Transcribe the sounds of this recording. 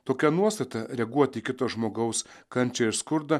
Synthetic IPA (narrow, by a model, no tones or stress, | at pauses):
t̪oːkʲɛnuɔst̪ɐt̪ɐɾʲɛɡuɔt̪ʲiːkʲɪt̪oːsʒmoːɡɐʊskɐnʲt͡ʃʲɛɪɾskʊɾd̪ɐ